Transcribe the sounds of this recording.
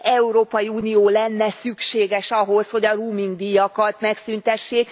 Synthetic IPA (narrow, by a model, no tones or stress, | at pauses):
ɛuɾoːpɒjiuːnijoːlɛnːɛsykʃeːɡɛʃɒɦo̞sho̞ɟɒruːmiŋɡd̪ijɒkɒt̪mɛksynt̪ɛʃːeːk